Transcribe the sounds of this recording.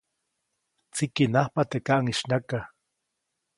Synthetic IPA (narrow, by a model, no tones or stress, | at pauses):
t͡sikinahpat̪ekaʔaŋiʃnaka